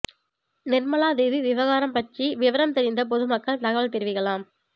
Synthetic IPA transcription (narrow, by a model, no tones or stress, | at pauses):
nɪrmɐlaːðɛðiʋɪʋɐɣaːɾɐmpɐʈriʋɪʋɐɾɐmt̪ɛɾɪnd̪ɐp̬ɔðɯmɐkːɐɭnɐɣɐʋɐɭt̪ɛɾɯʋɪɣɐɭaːm